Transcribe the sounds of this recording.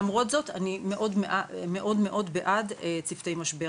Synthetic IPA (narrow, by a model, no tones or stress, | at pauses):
mʁo̞t̪zo̞t̪animeʔo̞dmeʔame̞ʔo̞dme̞ʔo̞dbeʔadet͡sift̪e̞jmaʃbe